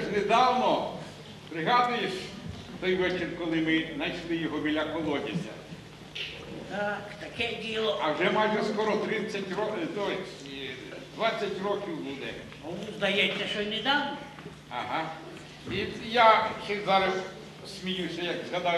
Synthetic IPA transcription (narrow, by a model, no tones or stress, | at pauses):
ʃned̪ɑwnɔ | pɾɪɦɑd̪ʊjeʃ | t̪ɔjʋɛt͡ʃɪrʲkɔlˠɪmɪnɐjʃlˠɪjɔɦɔmʲilʲɐkɔlˠɔdʲɪsʲɐ̰ | t̪akt̪ɐkɛdʲilˠɔɐwʒɛmɑʒʊskɔɾɔt̪ɾɪt͡sʲːɐtʲɾɔd̪ɔ | d̪ʋat͡sʲːɐtʲrɔkʲiwbud̪ɛ | ɔʋʊzd̪ɐjɛsʲːɐʃɔnɛd̪ɑwnɔ | ɐɦɑ | ijat͡ʃɛzɑɾɐs | sʲmʲijusʲɐjɐkzɦɐd̪ɑj